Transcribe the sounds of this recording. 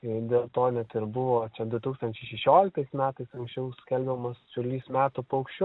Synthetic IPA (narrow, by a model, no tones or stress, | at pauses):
d̪ʲeːlˠt̪oːnʲɛt̪ɪɾbʊʋoːt͡ʃʲɛd̪ʊt̪uːkst̪ɐnʲt͡ʃʲɛɪʃʲɛʃʲoːlʲɪk̚t̪ɐɪsmʲæːt̪ɐɪsɐŋksʲt͡ʃʲɛʊskʲɛlʲbʲɛmɐssʲʊlʲiːsmʲæːt̪upɐʊkʃʲt͡ʃʲː